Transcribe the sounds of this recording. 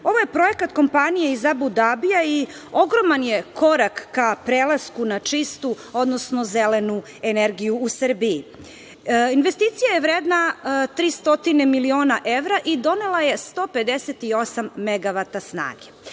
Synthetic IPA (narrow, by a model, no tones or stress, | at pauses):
o̞ʋoje̞pɾo̞jekat̪ko̞mpanijeizabud̪abijai | o̞ɡɾomanje̞kʰo̞ɾakːapɾeːlˠaskunat͡ʂist̪u | o̞d̪nosno̞zelenu | eneɾɡijuːsərbii | inʋe̞st̪iːt̪sijaje̞ʋɾeːd̪nat̪ɾiːst̪o̞t̪inemilio̞ːnaʔeʋɾaʔid̪o̞nelˠaje̞st̪oːpe̞d̪eset̪iosamːeɡaʋat̪asna̰ːɡe